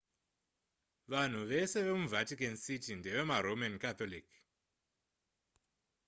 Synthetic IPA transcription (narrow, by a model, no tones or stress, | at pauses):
ʋan̤uʋe̞se̞ʋe̞muvʱatikansitindeʋe̞maɾomankat̪olik